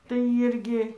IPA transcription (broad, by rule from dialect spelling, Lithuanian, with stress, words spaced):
tɐɪ ˈiːrʲɡʲɪ